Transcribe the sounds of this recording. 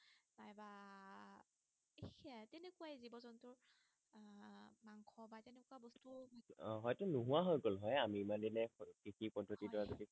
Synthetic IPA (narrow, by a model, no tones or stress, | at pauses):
bajba | ekatɛnɛkuwaezibɔzɔntʊɹ | maŋkʰɔbatɛnɛkuwabɔstuɔɦɔjtʊnuɦuwaɦɔjkɔlɦɔjamiːmandinɛkikipɔdʱːotitɔɹazodi